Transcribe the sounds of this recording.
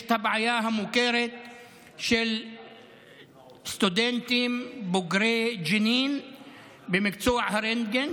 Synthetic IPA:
t̪abʕajaːɦamʊkeɾɪt̪̚ | ʃɪl | st̪ud̪ent̪imbʊɡɾeːd͡ʒɪniːn | bɪmɪkt͡suːʕhaɾend̪ɡen

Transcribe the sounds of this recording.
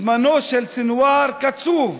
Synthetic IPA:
manoːʃalsɪnwaːɾkat͡suːv

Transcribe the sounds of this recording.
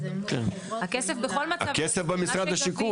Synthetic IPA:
ken | akesefbeχolmaa̰akesefbemisʁad̪haʃiku

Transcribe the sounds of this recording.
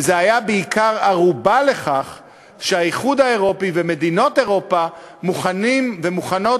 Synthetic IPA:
zeajabeikaʁaʁubale̞χaχ | ʃeaiχud̪ae̞ʁo̞piveme̞d̪ino̞t̪e̞ʁo̞pa | muχanimvemuχano̞

